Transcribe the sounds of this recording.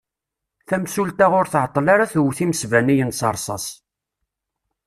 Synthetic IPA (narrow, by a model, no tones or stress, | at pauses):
θæmsult̪aʁʊɾθʕət̪ˤːlaɾaθuwθiməsvænijənsɑ̰ɾˤsˤɑs